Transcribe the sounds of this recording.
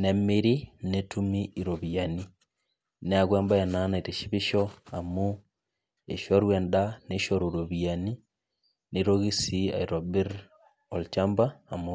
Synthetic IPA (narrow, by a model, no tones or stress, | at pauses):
nemiɾinetumiiɾoβiani | neaɣwembajananaiteʃiβiʃɔamu | eʃoɾwendaneʃoɾoɾoβjani | neɾoɣisia̰iɾobiɾ | ɔlt͡ʃambaːmu